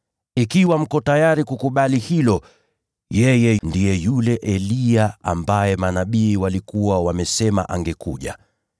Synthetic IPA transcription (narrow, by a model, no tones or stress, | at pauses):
ikiwam̩kɔtajaɾikukuɓalihilɔ | jɛjɛndijɛjulɛʔɛliaa̰mbajɛmanaɓiːwalikuwawamɛsɛma̰ʔa̰ŋɡɛkṵʄa̰